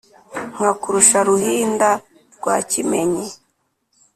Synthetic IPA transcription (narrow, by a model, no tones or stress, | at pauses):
ŋ̥hakuɾuʃaɾuhiːnda | ɾɡwaːcimeɲe